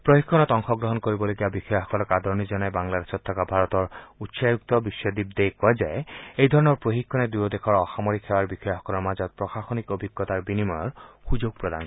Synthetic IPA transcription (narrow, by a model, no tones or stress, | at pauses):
pɾohikʰːɔnɔt̪ɔŋxʰɔɡɾɔɦɔnkoɾibɔloɡiabixɔjaɦɔkɔlɔkad̪ʱɔɾnid͡ʑɔnɔebaŋladesɔt̪ʰːɔkabʱaɾɔt̪ɔɾut̪ʃajuk̚t̪ɔbiʃɔd̪ib̚d̪ejkɔad͡ʑaeejd̪ʱɔɾɔnɔɾpoɦikʰːɔned̪uɔd̪ekʰɔɾɔxamoɾikʰːewaɾbixɔjaɦɔkɔlɔɾmad͡ʑɔt̪̚pɾɔxaxonikobʱiɡːɔt̪aɾbinimɔjɔɾxud͡ʑoɡ̚pɾod̪a̰n